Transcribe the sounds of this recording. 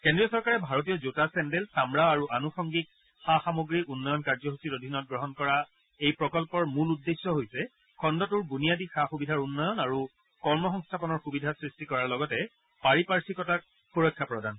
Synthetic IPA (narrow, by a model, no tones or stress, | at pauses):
kendɹijɔsɔɹkaɹɛbʱaɹotijɔzutasɛndɛlsamɹaaɹuʔanuxɔŋɡik̚ | xaxamoɡɹiunːɔjɔnkaɹzɔɦusitodʱinɔt̚ɡɹɔɦɔnkɔɹa | ejpɹɔkɔlpɔɹmuludːesːɔɦojsɛ | kʰɔndɔtuɹbunijadixaxubidʱaɹunːɔjɔnaɹu | kɔɹmɔxɔŋstʰapɔnɔɹxubidʱasɹistikɔɹaɹlɔɡɔtɛ | paɹipaɹsikɔtak̚ | xuɹɔkʰːapɹɔdʱan